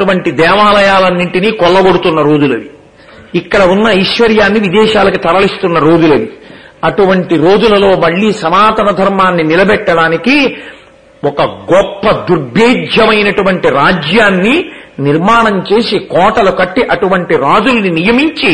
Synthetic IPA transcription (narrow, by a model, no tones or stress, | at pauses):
uʋɐɳʈid̪ɛːʋaːlɐjaːlɐnːiɳʈiniːkɔlːɐɡoɽut̪unːɐɾoːd͡ʒ̪ulɐʋiː | kːɐɽɐunːɐiʃʋɐɾjaːnːiʋid̪ɛːʃaːlɐkit̪ɐɾɐlist̪unːɐɾoːd͡ʒ̪ulɐʋiɐʈuʋɐɳʈiɾo̞ːd͡ʒulɐlo̞ːmɐɭːiːsɐmaːt̪ɐnɐd̪ʱɐɾmaːnːinilɐbɛʈːɐɽaːniki | wɔkɐɡɔpːɐd̪uɾbʱeːd͡ʒʱjɐmɐjnɐʈuʋɐɳʈiɾaːd͡ʒjaːnːiniɾmaːɳɐmt͡ʃe̞ːsikɔːʈɐlukɐʈːiʔɐʈuʋɐɳʈiɾaːd͡ʒulninijɐmiɲt͡ʃi